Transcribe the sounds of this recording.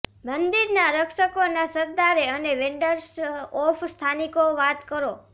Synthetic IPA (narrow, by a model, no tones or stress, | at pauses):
mənd̪iɾnaɾəkʃəkonasəɾd̪aɾeəneʋẽɳɖəɾsɔfʰst̪ʰanikoʋat̪kəɾo